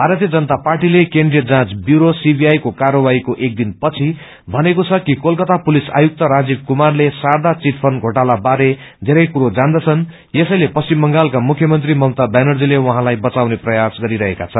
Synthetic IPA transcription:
bʱaɾʌt̪ijʌd͡zʌnət̪aparʈilekeɳɖrijʌd͡zãt͡sbjuɾosibʱijajkokaɾʌbaikoʔek̚d̪inpʌt͡sʰi | bʱʌnekot͡sʰʌkikolkʌt̪apulisa̰juk̚t̪ʌɾad͡zib̚kumarlesard̪at͡siʈpʰʌnɡʱoʈalabaɾe | d̪ʱeɾʌjkuɾod͡zand̪ʌt͡sʰʌn | jesʌjlepʌst͡simːʌŋɡalkamukʰjʌmʌnt̪rimʌmt̪abanʌrd͡zilewʌɦãlajbʌt͡sawneprʌjasɡʌɾiɾʌɦekat͡sʰʌn

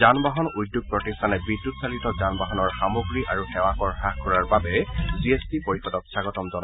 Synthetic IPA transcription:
zanbaɦɔnujdjuɡ̚pɹɔtistʰanɛbɹidːutsalitɔzanbaɦɔnɔɹxamoɡɹiʔaɹuxɛwakɔɹxaxkːɔɹaɹbabɛziestipoɹixɔdɔksaɡɔtɔmzɔna

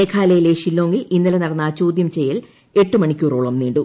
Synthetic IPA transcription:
eːkʰaːlɐjileːʂilːoːŋɡilinːɐlenɐrɐnːaːt͡ɕoːd̪jɐmt͡ɕe̞jːɐl | e̞ʈːɨmɐɳikʲːuːɾoːɭɐmniːɳɖu

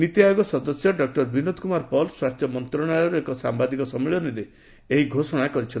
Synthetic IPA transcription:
nit̪jajoɡɔsɔd̪ɔsjɔɖɔk̚ʈɔɾbʱinod̪kumaɾpɔlswast̪ʰjɔmɔnt̪ɾɔɽ̃ajɔɾekɔsambad̪ikɔsɔmiɭɔniɾe | eɦiɡʱosɔɽ̃akɔɾit͡ʃʰɔn

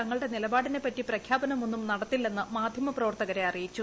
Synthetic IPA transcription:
ɐŋːɐɭɽe̞nilɐbaːɽine̞pːɐtːiprɐkʰjaːbɐnɐmo̞nːumnɐɽɐt̪ːilːe̞nːɨmaːd̪ʱjɐmɐprɐʋɐrt̪ɐɣɐɾe̞ɐrijit͡ɕːu

